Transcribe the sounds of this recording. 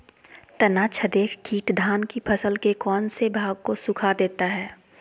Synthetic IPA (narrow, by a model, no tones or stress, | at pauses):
t̪ɐnaːt͡ʃʰəd̪eːkʰkiːʈd̪ʱaːnkipʰɐsəlkekɔːnsebʱaːɡ̚kosʊkʰad̪eːt̪aɦɛː